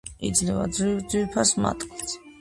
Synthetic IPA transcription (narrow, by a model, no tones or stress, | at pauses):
ḭd̪zlɛvad̪zɾivd̪zwipʰasma̰t̪ʼqʼit̪ʰ